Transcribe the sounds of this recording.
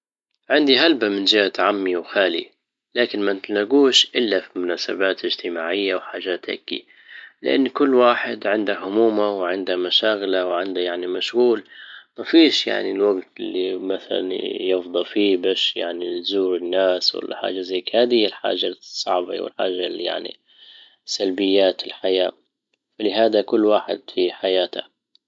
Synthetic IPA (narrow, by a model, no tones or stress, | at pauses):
ʕɪnd̪iɦalbamɪnd͡ʒɪhat̪ʕamːiwxaːlḭ | laːkɪnmant̪alnaɡuːʃʔɪlːafimʊnaːsa̰baːt̪ɪd͡ʒt̪ɪmaːʕɪjːawħaːʒaːt̪ʔa̰ɡːḭ | lɪʔa̰nːkʊlːwaːħɪd̪ʕɪnd̪ahʊmuːmawʕɪnd̪hamaʃaːɣɪlawʕɪnd̪ajaʕnimaʃɣuːlmafiːʃja̰ʕnilwaɡt̪ɪlːimaθa̰la̰njɪfd̪ˤɑlfiːbaːʃja̰ʕnizuːɾɪnːaːswa̰lːa̰ħa̰ːd͡ʒazajːkhaːd̪ːalħa̰ːʒasˤːɑʕba̰wɪ̰lħa̰ːʒaja̰ʕnḭ | sːalbɪjːaːt̪ɪlħajaː | falɪɦaːd̪akʊlːwaːħɪ̰d̪fiħajaːt̪ʰa̰